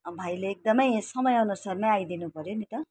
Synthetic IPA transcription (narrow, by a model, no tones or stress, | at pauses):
bʱajleːk̚d̪ʌmʌjsʌmʌjʌnusʌrmãajd̪inupʌɾjonit̪ʌ